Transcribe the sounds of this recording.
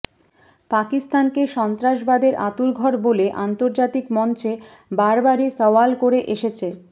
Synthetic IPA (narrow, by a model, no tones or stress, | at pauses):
pakist̪ankeʃɔnt̪ɾaʃbad̪eɾʔat̪uɾɡʱɔɾboleʔant̪oɾd͡ʑat̪ikmɔnt͡ɕe | baɾbaɾisɔwalkoɾeʔeʃet͡ɕʰe